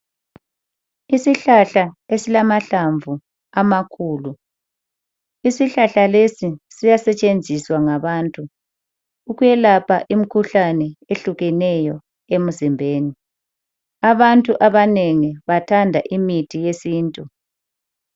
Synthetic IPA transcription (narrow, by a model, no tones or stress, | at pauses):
isiɬaɬaesilamaɬaɱvu | amakʰuːlu | isiɬaɬalesisijasɛt͡ʃʼend͡zʱiswaŋaβaːntʼuː | ɣujɛlapʰaʔim̩kʰuɬanɛeɬuɣɛnɛjɔ | em̩zimbʱeːni | aβantʼuʔaβaneŋiβatʰandʱaʔimitʰijesiːntʼu